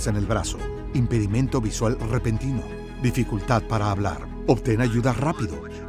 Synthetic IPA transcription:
sene̞lβɾa̰so | impe̞ðimẽ̞nt̪o̞βiswalrepe̞nt̪ino̰ | d̪ifikult̪að̚paɾaːβla̰ɾ | obt̪enaʝuðarapiðo̞̰

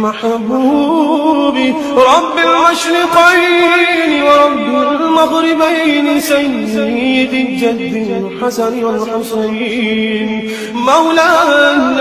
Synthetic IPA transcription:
maħbuː | bɪ | ɾˤɑbːɪlmʊʃɾɪqijnɪwɑɾˤɑbːɪlmɑd̪ˤɾɪbajnɪsajnmɪjɪd̪ɪd͡ʒad̪ːɪ | ħasaɾɪjalħʊsˤɑjn | mawlaːnː

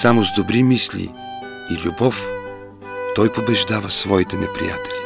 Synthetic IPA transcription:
samʊzd̪obɾimislʲḭ | ilʲubɔf | t̪ɔjpobɛʒd̪avəsvɔit̪ɛnɛpɾḭja̰t̪ɛlʲi

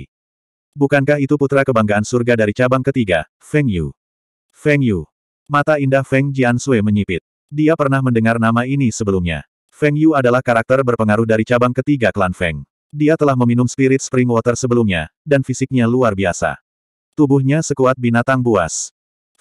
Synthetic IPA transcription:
bukankaɦit̪uput̪ɾakəbaŋɡaːnsurɡadaɾit͡ʃabaŋkət̪iɡa | fɛŋjṵ | fɛŋju | mat̪aindahfɛŋd͡ʒiansueməɲipɪt̪̚ | diapərnahməndəŋarnamainisəbəlumɲa̰ | fɛŋjuadalahkaɾak̚t̪ərbərpəŋaɾʊhdaɾit͡ʃabaŋkət̪iɡakəlanfɛ̰ŋ | diat̪əlahməminumspiɾɪt̪̚spɾɪŋwɔt̪ərsəbəlumɲadanfisɪk̚ɲaluarbiasa̰ | t̪ubuhɲasəkuat̪̚binat̪aŋbua̰s

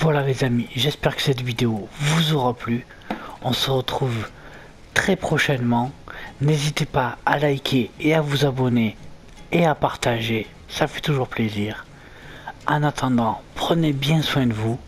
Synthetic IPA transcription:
vwalalezamiʒɛspɛʁkə̥sɛt̪vid̪eovuzɔʁaply | ɔ̃səʁət̪χuv | t̪χɛpχɔʃɛnmɑ̃nezit̪epaalajkʲʰeeavuzabɔne | eapaʁt̪aʒe | safɛ̥t̪uʒuʁpleziːʁ | ɑ̃nat̪ʰɑ̃d̪ɑ̃pχənebjɛ̃swɛ̃d̪əvu

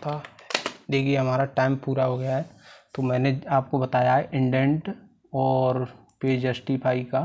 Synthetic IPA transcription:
t̪ʰa | d̪eːkʰieɦɐm̤aːɾaʈaːɪmpuːɾaɦoɡɐjaɦɛt̪omɛ̃ːneaːp̚kobɐt̪aːjaɦɛʔɪ̃ɳɖɛ̃ɳʈ | ɔːɾ | peːd͡ʒəsʈipʰaːika

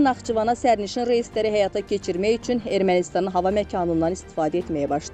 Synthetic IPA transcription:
nɑχt͡ʃʰuvɑnɑsæɾniʃinɾejist̪læɾiɦæjɑt̪ʰɑcʰe̞t͡ʃʰiɾmæjyt͡ʃʰyne̞ɾmænist̪ɑnɯnɦɑvɑmæcʰɑːnund̪ɑnist̪i̥fɑːd̪æet̪mæjæbɑʃt̪

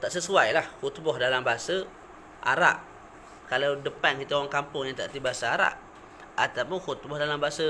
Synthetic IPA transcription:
t̪aʔsəsuajlahhut̪bɔhdalambaɦasə | ʔa̰ɾa̰ʔ | kalawdəpankit̪əowaŋkampʊŋjaŋt̪a̰ʔt̪ibaasaaɾa̰ʔ | at̪apʊnxut̪̚bɔhdalambaɦasə

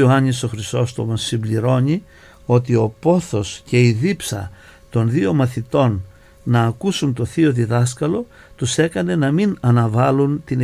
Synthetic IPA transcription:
oɐɲiso̞xɾist̪o̞st̪omɐsːimbliɾo̞ɲi | o̞t̪io̞po̞θo̞sce̞iðipsɐ̰ | t̪o̞nðio̞mɐθit̪o̞nː | ɐːkusunt̪o̞θio̞ðiðɐskɐlo̞ | t̪use̞kɐne̞nɐminɐnɐvɐlunt̪in

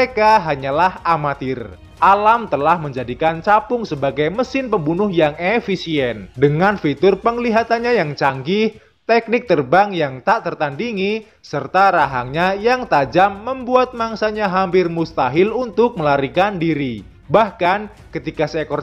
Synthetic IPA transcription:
ekaɦaɲalahamat̪ɪr | ʔalamt̪əlahməɲd͡ʒadikant͡ʃapʊŋsəbaɡajməsɪnpəmbunʊhjaŋefisiɛndəŋanfit̪ʊrpəŋliɦat̪anɲajaŋt͡ʃaŋɡɪh | t̪ɛk̚nɪk̚t̪ərbaŋjaŋt̪aʔt̪ərt̪andiŋi | sərt̪aɾaɦaŋɲajaŋt̪ad͡ʒamːəmbuat̪̚maŋsaɲaɦampɪrmust̪aɦɪlunt̪ʊk̚məlaɾikandiɾi | bahkan | kət̪ikasɛkɔr

